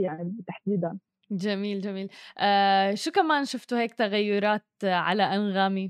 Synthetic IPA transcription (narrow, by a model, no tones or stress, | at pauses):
jaʕnt̪aħd̪iːd̪an | d͡ʒamiːld͡ʒamiːlʔaːʃuːkamaːnʃʊft̪ʊheːk̚t̪aɣajːʊɾˤɑːt̪ʕa̰laʔanɣaːmi